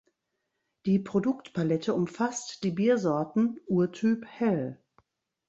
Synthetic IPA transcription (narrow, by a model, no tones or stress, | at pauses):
d̥iːpʁ̥odʊktpʰalɛtʰəʊmfastd̥iːbiːɐzɔɐtn̩ʔuːɐtʰyːphɛl